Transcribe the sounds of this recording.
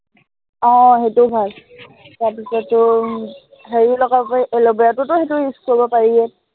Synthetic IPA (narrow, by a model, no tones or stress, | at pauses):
ɔ̃ɦetʊbʱal | taɹpisɔtːʊ | ɦeɹilɔɡapɔʔɛlɔbɔjatʊtʊhetʊɦiskuɔbɔpaɹiɛ